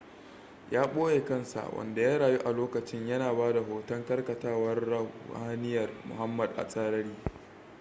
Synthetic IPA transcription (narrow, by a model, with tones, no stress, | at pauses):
jaː˦ɓoː˦je˨kɐ˦˨nsa̰˨wɐ̰˨nda˨jaː˦ɽaː˨ju˦ʔa˨loː˦kɐ˨t͡ʃɪ˦ɲjɐ˦naː˨baː˦da˨ɦoː˨tɐ˦ŋkɐ˦rkɐ˨taː˦wɐ˦rːɐ˦˨aː˦nɪ˦jɐ˨rmʊ̰˨ha˦mːɐ˨dʔa̰˨sʼaː˦ɾɐ˦ɽiː˦